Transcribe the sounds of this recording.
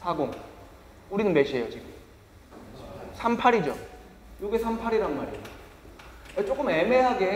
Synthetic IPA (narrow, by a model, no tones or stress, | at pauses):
sʰaɡoŋ | uɾinɯnmeɕʰiɦe̞jot͡ɕiɡɯm | sʰampʰaɾid͡ʑo | joɡesʰampʰaɾiɾanma̰ɾi | et͡ɕ͈ok͈ɯme̞me̞ɦaɡe